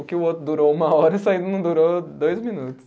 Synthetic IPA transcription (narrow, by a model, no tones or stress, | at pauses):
ʊkɪʊot̪ɾʊd̪uɾoumɐɔɾɐisaĩd̪ɐnɐ̃w̃d̪uɾod̪ojzmĩnut̪ʊ̥s